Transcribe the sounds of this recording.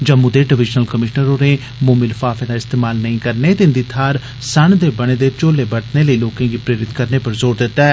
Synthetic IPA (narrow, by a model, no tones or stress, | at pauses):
d͡ʒəmʊd̪eːɖɪʋɪʃnəlkəmɪʃnəɾoːneː | moːmɪlfaːfʰẽːd̪aːɪst̪eːmaːlnəĩːkəɾneːt̪eɪnd̪iːt̪ʰaːɾ | səɳd̪eːbəɽ̃eːd̪eːt͡ʃoːleːbəɽt̪neːləiːloːkãːɡiːpɾeːɾɪt̪kəɾneːpəɾzoːɾd̪ɪt̪ːaɛː